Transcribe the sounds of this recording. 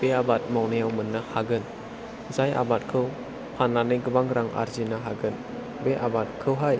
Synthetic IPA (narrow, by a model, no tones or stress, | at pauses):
b̥eabat̚mawnajawmɯnːahaɡɯn | zaja̰bat̚kʰɯw | pʰanːanɯɡɯbaŋɾaŋa̰ɾzinaɦaɡɯn | beʔabat̚kʰɯwɦaj